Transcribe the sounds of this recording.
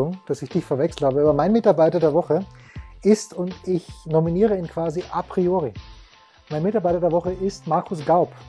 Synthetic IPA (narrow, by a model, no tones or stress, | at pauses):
ʊŋd̥asɪçd̥ɪçfɛɐvɛksl̩thaːbəaːbɐmaɪnmɪtaɐbaɪtɐdeːɐvɔχəʔɪstʊntɪçnominiːʁ̞əiːnkv̥aːziʔapʁ̥ioːʁi | maɪnmɪtaɐbaɪtɐdeɐvɔχəɪstmaɐkʰʊsɡ̥aʊp